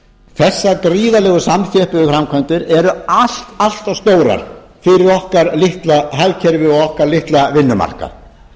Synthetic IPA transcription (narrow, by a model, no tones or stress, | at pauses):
θɛsːakɾiːðalɛːɣʏsamθjɛhpʏðʏfɾamkʰvœnt̪ɪɾɛɾʏal̥t̪al̥t̪awst̪oːwɾa̰ɾ̥ | fɪɾɪɾɔhkaɾlɪht̪laɦajðcʰɛɾvɪɔɣɔhkaɾlɪht̪lavɪnːʏma̰r̥ka̰